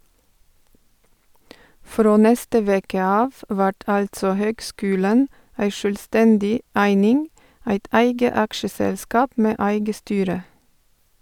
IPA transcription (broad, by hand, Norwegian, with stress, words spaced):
ˈfɾoː ˈnɛstə ˈʋeːkə ˈɑːʋ ˈʋæʈ ˈɑltsɔ ˈhøːɡˌskʉːlən ˈæɪ ʃœlˈstɛndɪ ˈæɪnɪŋ ˈæɪt ˈʔæɪɡə ˈɑkʃəsɛlˌskɑːp ˈmeː ˈæɪɡə ˈstyːɾə